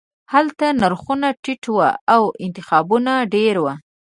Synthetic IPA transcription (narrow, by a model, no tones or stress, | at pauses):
halt̪anaɾxunaʈɪʈwa̰awɪnt̪ɪxɑbunaɖeɾwa